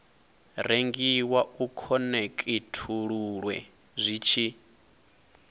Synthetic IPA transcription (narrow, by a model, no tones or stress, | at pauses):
ɾeŋɡiwaukʰɔnekʼitʰuɺuɺwɛ̰ | zʷit͡ʃʰi